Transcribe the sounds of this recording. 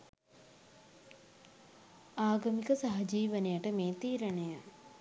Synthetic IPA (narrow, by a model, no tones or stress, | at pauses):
aːɡɐmikəsaɦɐd͡ʒiːʋənejaʈəmeːt̪iːɾəɳeja